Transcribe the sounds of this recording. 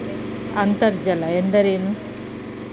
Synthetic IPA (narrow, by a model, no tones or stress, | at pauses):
ɐnt̪ɐɾd͡ʒɐlɐend̪ɐɾeːnu